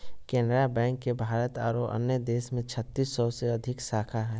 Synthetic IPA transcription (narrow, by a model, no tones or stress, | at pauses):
kɛ̃ːnɖɾabɛ̃ːŋkːebʱaːɾət̪aːɾoʔə̰njəd̪eːsmẽt͡ʃʰət̪ːiːsːɔseɐd̪ʱɪksaːkʰaɦɛː